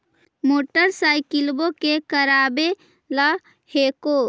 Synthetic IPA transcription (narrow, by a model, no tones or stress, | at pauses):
moːʈəɾsaːjkɪlbokekəɾaːbe | la | heːko